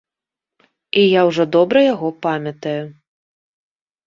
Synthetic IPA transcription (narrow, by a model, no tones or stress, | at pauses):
ijawʐɔd̪ɔbɾɐjaɣɔpamʲɐt̪ɐju